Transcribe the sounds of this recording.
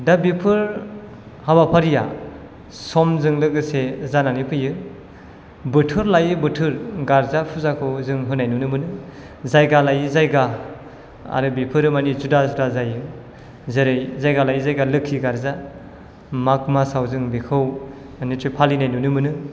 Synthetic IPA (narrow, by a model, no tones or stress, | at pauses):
dabipʰɯɾ | habapʰaɾija̰ | sɔmzɯŋlɯkɡɯsezananipʰɯjɯ | bɯtʰɯɾlajɯbɯtʰɯɾɡaɾzapʰuzakʰɯwzɯŋɦɯnajnunɯmɯnɯ | zajɡalajɯzajɡa | a̰ɾɯbipʰɯɾɯmanizudazudazajɯ | zeɾejzajɡalajzajɡalɯkʰːiɡaɾza | mak̚masawzɯŋbekʰɯw | nitʰɾipʰalinajnunɯmɯnɯ